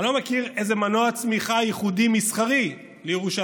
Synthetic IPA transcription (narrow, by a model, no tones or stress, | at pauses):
lo̞mekiʁejzemanoat͡smiχajiχud̪imisχaʁi | lejeʁuʃa